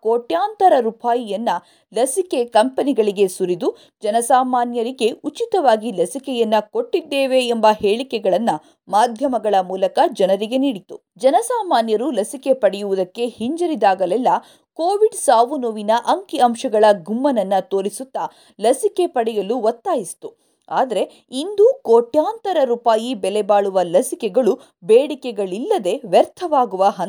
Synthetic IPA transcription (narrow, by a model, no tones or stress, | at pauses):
koːʈjaːnt̪ɐɾɐɾupaːjijɐnːɐ | lɐsikekɐmpɐniɡɐɭiɡe̞suɾid̪u | d͡ʒɐnɐsaːmaːnjɐɾiɡe̞ʔut͡ʃit̪ɐʋaːɡilɐsikɛjɐnːɐko̞ʈːid̪ːeːʋe̞ːmbɐhe̞ːɭikɛɡɐɭɐnːɐ | maːd̪ʱjɐmɐɡɐɭɐmuːlɐkɐd͡ʒɐnɐɾiɡe̞niːɽit̪u | d͡ʒɐnɐsaːmaːnjɐɾulɐsike̞pɐɽɛjuʋud̪ɐkːe̞hiɲd͡ʒɐɾid̪aːɡɐlɛlːɐ | koːʋiɖsaːʋunuʋinɐʔɐŋkiɐmʃɐɡɐɭɐɡumːɐnɐnːɐt̪o̞ːɭisut̪ːɐ | lɐsike̞pɐɽɛjɐluʋɐt̪ːaːjist̪u | aːd̪ɐɾe̞ | ind̪ukoːʈjaːnt̪ɐɾɐɾuːpaːjibɛlɛbaːɭuʋɐlɐsikɛɡɐɭu | beːɽikɛɡɐɭilːɐd̪e̞ʋɛɾt̪ʰɐʋaːɡuʋɐɦɐn